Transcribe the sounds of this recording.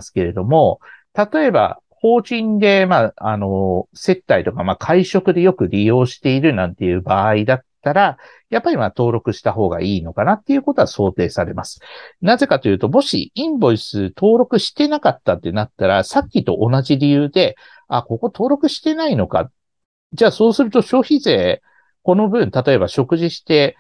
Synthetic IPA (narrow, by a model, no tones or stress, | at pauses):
sɨ̥ke̞ɾe̞d̪o̞mo̞t̪at̪o̞e̞ba̰ | ho̞ːʑĩnd̪e̞maːano̞se̞t̪ːait̪o̞kamakʰaiɕo̞kɯ̟d̪e̞jo̞kɯ̟ɾʲijo̞ːɕi̥t̪e̞iɾɯ̟nãnt̪e̞jɯ̟ːbaːid̪at̪ːaɾa | japːaɾʲimat̪o̞ːɾo̞kɯ̟ɕi̥t̪aɦo̞ːɡa̰iːno̞kanat̪ːe̞iɯ̟ko̞t̪o̞aso̞ːt̪e̞ːsaɾe̞masɨ̥naze̞kat̪o̞jɯ̟ːt̪o̞mo̞ɕḭĩmbo̞isɨt̪ʰo̞ːɾo̞kɯ̟ɕi̥t̪e̞nakat̪ːat̪ːe̞nat̪ːaɾasakʲːit̪o̞ʔonaʑiɾʲijɯ̟ːd̪e̞ | ako̞ko̞t̪ʰo̞ːɾo̞kɯ̟ɕi̥t̪e̞naino̞ka̰ | ʑaːso̞ːsɨɾɯ̟t̪oɕo̞ːçize̞ː | ko̞no̞bɯ̟̃nt̪at̪o̞e̞βaɕo̞kɯ̟ʑiɕi̥t̪e̞